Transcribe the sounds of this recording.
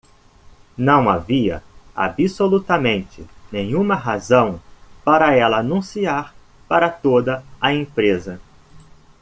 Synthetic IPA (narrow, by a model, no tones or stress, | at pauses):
nɐ̃w̃a̰viɐ̰a̰bisolut̪ɐmẽnt͡ʃɪnẽɲũmɐɦazɐ̃w̃paɾɐɛlɐːnũsiaɾ | paɾɐt̪od̪ɐaẽpɾezɐ